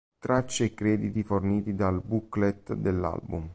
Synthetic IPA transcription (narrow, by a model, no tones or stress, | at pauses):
t̪ɾat͡ʃːekɾɛːd̪it̪iforniːt̪id̪albuklet̪d̪elːa̰lbṵm